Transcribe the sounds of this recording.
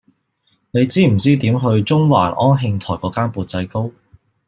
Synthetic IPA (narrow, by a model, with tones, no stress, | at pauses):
ne˨˧jt͡siː˥m̩˨˩t͡siː˥t̪iː˨˥mɦɵ˧ɥt͡sʊ˥ŋwa̰ː˨˩nʔɔː˥nɦɪ˧ŋt̪ʰɔː˨˩jkɔː˨˥kaː˥npuː˨˧t̚t͡sɐ˧jko˥w